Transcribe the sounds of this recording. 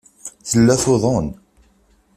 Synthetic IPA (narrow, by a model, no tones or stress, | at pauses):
θəlːæθoðˤon